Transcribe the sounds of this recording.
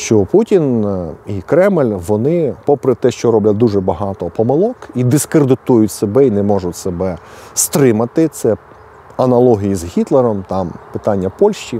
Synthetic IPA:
ʃt͡ʃɔputʲinikɾɛmlʲʋɔnɪpɔpɾɪt̪ɛʃt͡ʃɔɾɔblʲɐd̪uʐɛbɐɦɑt̪ɔpɔmɪlˠɔkid̪ɪskɾed̪ɪt̪ujʊtʲsebɛinɛmɔʒʊtʲsebɛ | st̪ɾɪmɐt̪ɪt̪sɛ | ɐnɐlˠɔɦʲijizɦʲit̪lˠeɾɔmt̪ɑmpɪt̪ɑnʲːɐpɔlʲʃt͡ʃi

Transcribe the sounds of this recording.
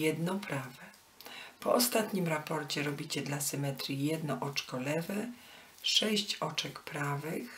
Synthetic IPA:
jɛd̪nɔpɾavɛ | pɔɔst̪at̪ɲimɾapɔɾt͡ɕɛɾɔbʲit͡ɕɛd̪lasɘmɛt̪ɾʲjijɛd̪nɔʔɔt͡ʂkɔlɛvɛ | ʂɛɕt͡ɕɔt͡ʂɛkpɾavɘx

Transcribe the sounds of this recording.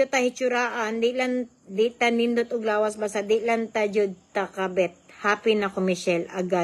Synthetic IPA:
ot̪ɐhɪt͡ʃʊɾaːʔand̪ɪlan | d̪ɪt̪ɐnɪnd̪ot̪ʊɡlaːwɐsbasad̪ɪlɐnt̪ɐd͡ʒʊd̪̚t̪ɐkɐbɛt̪̚haːpɪnɐkomɪʃɛlɐɡa

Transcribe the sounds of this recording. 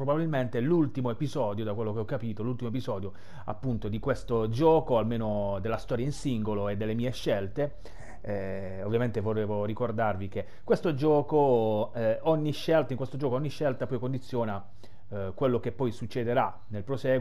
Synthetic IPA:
pɾobabilment̪elult̪imoepizɔːd̪jod̪akwelːokeɔkːapiːt̪olult̪imoepizɔːd̪jo | a̰pːunt̪od̪ikwest̪od͡ʒɔːkoalmeːnod̪elːast̪ɔːɾjainsiŋɡoloed̪ːelːemiːeʃːelt̪e | ovjament̪evoeːvorikord̪arvik̟e | kːwest̪od͡ʒɔːko | ɔɲːiʃːelt̪aiŋkwest̪od͡ʒɔːkoɔɲːiʃːelt̪apɔjkond̪it̪sːjɔːna | kwelːokepːɔjsut͡ʃːed̪eɾa | nelpɾosɛː

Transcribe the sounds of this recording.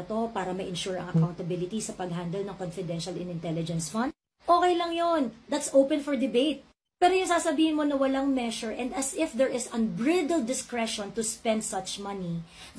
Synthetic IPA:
t̪o̞paːɾɐmɐʔɪnʃuɹɐ̰ŋɐkawnt̪ɐbɪlɪt̪isɐpɐɡ̚ɦand̪ɛlnɐŋkɔnfɪd̪ɛnʃɐlɪ̃nɪ̃nt̪ɛlɪd͡ʒɛnsfɐ̃nd̪ | ʔoːkɛjlɐŋjond̪ɐt̪sʔowpɛ̃nfɔɹd̪ɪbejt̪̚ | pɛːɾojʊŋsaːsɐbiːhɪnmonɐwɐlaŋmɛʃʊɹʔɛnd̪ɐsɪfd̪ɛɹʔɪsɐ̃nbɹɪd̪ld̪ɪskɹɛʃɔ̃nt̪ʊspɛ̃nd̪̚sɐt͡ʃmɐni

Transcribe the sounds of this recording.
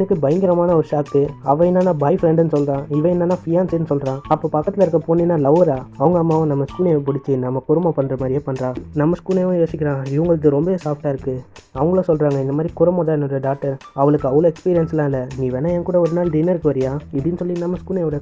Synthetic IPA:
nɯkːɯbɐjɐŋɡɪɾɐmaːnɐɔɾɯʂaːt̪ːɯɐʋɐ̃ɪnːaːnãːbɐɪfɾɛɳɖnːɯsɔlːɾãːɪʋɐ̃ɪnːaːnãːfɪjaːnsnɯsɔlɾãːɐpːoːpɐkːɐt̪ːɪlɐɪɾɯkːɐpoːniːnːaːlɐʋɐɾaːɐʋɐŋɡɐmːaːʋɐ̃nɐmːɐskuːlepʊɽɪt͡ʃːinɐmːɐkʊɾɐmãpɐnːɾɐmaːd̪ɾɪjeːpɐnːɾãːnɐmːɐskuːlejʋɐ̃joːsɪkʲːɪɾãːɪʋɐŋɡɐɭɯk̬ːɯɾɔmbɐesaːfʈaːɪɾɯkːɯɐʋɐŋɡɐɭosɔlrɾaːŋɡɐɪnd̪ɐmaːd̪ɾikʊɾɐmaːðãːɛnːɔɾɐɖaːk̚ʈɐɾɐʋɐɭɯkːɯɐʋɐɭɐɛkspiːɾɪjɐnslːãːɪlːɐniːʋeːnːaːɛnkuːɽɐɔɾɯnaːlɖɪnːɐɪɾɯkːɯʋɐɾɪjãːɪðɯnɯsɔlːinɐmːɐskuːlɐɔɽɐ

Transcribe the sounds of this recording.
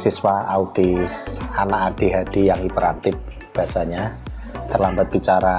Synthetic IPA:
siswaaut̪ɪsanaʔad̥iɦad̥ijaŋipəɾant̪ɪp̚ | b̥iasaɲa | t̪ərlambat̪̚b̥it͡ʃaɾa

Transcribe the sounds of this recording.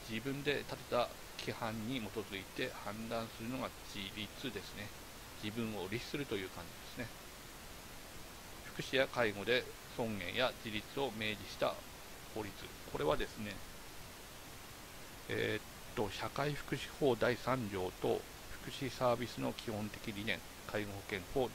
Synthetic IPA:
d͡ʑibɯ̟̃nd̪e̞t̪at̪e̞̥t̪a | kʲʰihãɲ̟ːimo̞t̪o̞zɨit̪e̞hãnd̪ãɰ̃sɨɾɯ̟no̞ɡad͡ʑiɾʲit͡sɨd̪e̞sɨne | d͡ʑibɯ̟̃ɰ̃o̞ɾʲiɕi̥sɨɾɯ̟t̪o̞jɯ̟ːkãɲ̟d͡ʑid̪e̞sɨne̞ | ɸɯ̟̥kɯ̟̥ɕijakaiɡo̞d̪e̞ | sõ̞ŋɡẽ̞ɰ̃jad͡ʑiɾʲit͡sɨo̞me̞ːd͡ʑiɕi̥t̪a̰ | ho̞ːɾʲit͡sɨ̰ | kʰo̞ɾe̞βad̪e̞sɨne̞ | et̪ːo̞ɕakaiɸɯ̟̥kɯ̟ɕi̥ho̞ːd̪aisãɲ̟d͡ʑo̞ːt̪o̞̰ | ɸɯ̟̥kɯ̟ɕisaːbʲisɨno̞̰kʲʰihõ̞nt̪e̞kʲiɾʲinẽ̞ŋ | kʰaiɡo̞ho̞kẽ̞ɰ̃ho̞ː

